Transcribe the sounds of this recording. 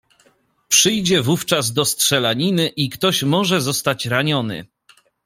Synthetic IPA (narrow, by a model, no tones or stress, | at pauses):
pʂɘjd͡ʑɛvuft͡ʂazd̪ɔstʂɛlaɲinɘʔikt̪ɔɕmɔʐɛzɔst̪at͡ɕɾaɲɔnɘ̰